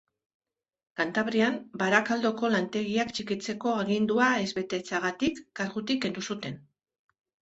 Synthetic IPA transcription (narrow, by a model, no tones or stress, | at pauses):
kant̪aβɾiambaɾakald̪o̞ko̞lant̪e̞ɣiakt͡ʃikit͡se̞ko̞aɣind̪uae̞zβe̞t̪e̞t͡saɣat̪ikːaɾɣut̪ikːe̞nd̪usut̪e̞n